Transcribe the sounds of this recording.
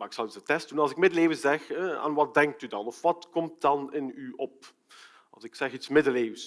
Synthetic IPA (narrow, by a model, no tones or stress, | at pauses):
maːɪksɑldəzətɛst̚d̥unɑlˠzɪk̚mɪdəleːvəzɛxəa̰ːnʋɑt̚dɛŋk̚tydɑnɔfʋɑtkɔmt̚dɑnɪnyʔɔp̚ | ɑ̰lˠzɪksɛxitsmɪdəleːvəs